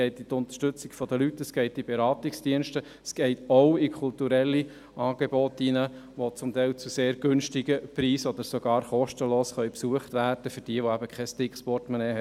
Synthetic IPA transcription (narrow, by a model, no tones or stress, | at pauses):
ɛɪtit̪ʊnt̪ə̥ʃtʏt͡sɪɡ̥fɔd̪əlytəsɡ̥ɛɪtib̥eɾɑːt̪iksd̥iənʃtə | sɡ̥ɛɪt̪oʊikʰχult̪uɾɛlːi | ʔɑːɡ̥ebɔt̪inəʋot͡sʊmt̪æɪlt͡suseːɾɡ̥ɵnʃtɪɡəpɾiːsɔd̪əɾsoɡ̥ɑːɾχɔʃtəloːsχœʏpsuəχtʋæːrd̥əfʏɾd̥iəʋoæbəkʰɛstɪkχspɔrtmənɛːɦɛ